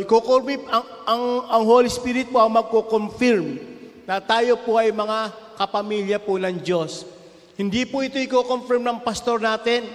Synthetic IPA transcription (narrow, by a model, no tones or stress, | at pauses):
ɪkokoɾmiɐŋʔɐŋɐŋhoːlɪspiɾɪt̪̚poʔɐŋmɐɡ̚kokomfiɾm | nɐt̪aːjo̞poʔɐjmɐŋa | kɐpɐmiljɐponɐŋd͡ʒo̞s | hɪnd̪ipʊʔɪt̪oɪkoːkomfɪɹmnɐŋpɐst̪o̞ɾnaːt̪ɛn